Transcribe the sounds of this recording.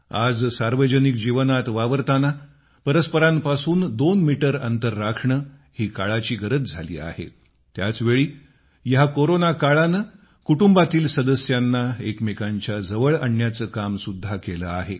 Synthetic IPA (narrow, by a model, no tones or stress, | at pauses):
ad͡zsaɾʋəd͡ʑənik̚d͡ʑiʋnat̪ʋaʋəɾt̪ana | pəɾəspəɾampasuːnd̪onmiʈəɾə̰nt̪əɾːakʂɳə | hiːkaɭat͡ɕiːɡəɾət̪d͡zʱalḭːa̰hḛ | t̪jat͡sʋeɭiː | jɦakoɾonakaɭana | kuʈumbat̪iːlsəd̪əsjanːaekmekaɲt͡ɕjad͡zəʋəɭəɳjat͡səːkamsud̪ʱːakeləaɦe